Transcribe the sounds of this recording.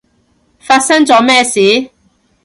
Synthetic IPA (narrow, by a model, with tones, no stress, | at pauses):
faː˧t̚sɐ˥ŋt͡sɔː˨˥mɛː˥˧siː˨˥